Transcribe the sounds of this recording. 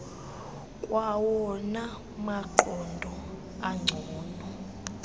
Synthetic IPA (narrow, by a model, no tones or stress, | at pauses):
kʼwʔawɔna | maǃɔndʱɔ | aŋ͡ǀʱɔːnɔ